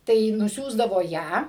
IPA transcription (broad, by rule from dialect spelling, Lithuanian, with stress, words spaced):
tɐɪ nʊˈsʲuːzdɐʋoː ˈjæː